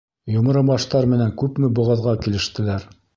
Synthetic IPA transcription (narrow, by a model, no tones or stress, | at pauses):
jŏmɤ̆ɾɤmɑʃt̪ɑɾmɘ̆næŋkʉpmɘbŏʁɑðʁɑkilɘ̆ʃt̪ɘ̆læɾ